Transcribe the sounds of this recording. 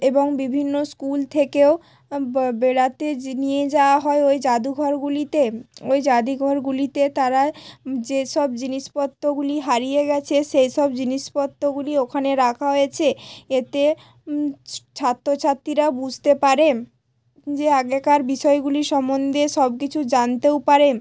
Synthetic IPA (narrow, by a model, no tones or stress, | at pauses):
eboŋbibʱinːoskult̪ʰekeo | beɽat̪enijed͡ʑaoaɦɔeojd͡ʑad̪uɡʱɔɾɡulit̪eojd͡ʑad̪iɡʱɔɾɡulit̪et̪aɾad͡ʑeʃɔbd͡ʑiniʃpɔt̪ːoɡuliɦaɾijeɡɛt͡ɕʰeʃejʃɔbd͡ʑiniʃpɔt̪ːoɡuliokʰaneɾakʰaɦojet͡ɕʰeet̪e | t͡ɕʰat̪ːot͡ɕʰat̪ːɾiɾabud͡ʑʱt̪epaɾe | d͡ʑeaɡekaɾbiʃɔeɡuliʃɔmond̪ʱeʃɔbkit͡ɕʰud͡ʑant̪ewpaɾe